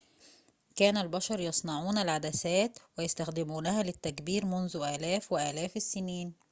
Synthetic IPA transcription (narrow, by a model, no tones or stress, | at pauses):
kæːnælbɑʃɑɾˤjɑsˤnɑʕuːnælʕad̪æsæːt̪wɪjest̪æxd̪ɪmuːnæhælɪt̪ːækbiːɾmʊnzʊʔæːlæːfwɪʔæːlæːfɪsːɪniːn